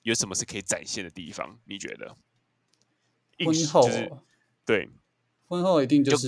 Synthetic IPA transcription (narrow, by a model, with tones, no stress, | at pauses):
jo˨˧˦ʂə˨˩mə˦ʂ̩˥˩kʰə˧˥i˨˩t͡sa̰˨˩nɕjɛ˥˨nd̪ə˩t̪ḭ˥˩fɑ̰˦ŋni˨˩t͡ɕɥɛ̰˧˦d̪ə̰˨ | i˥wə˦nxo˥˨˥ | t̪we˥˩ɪ | xwə˥nxo˥˩ʊi˨˧t̪i˥˧ŋt͡ɕjo˥˧˥ʂ̬̩˥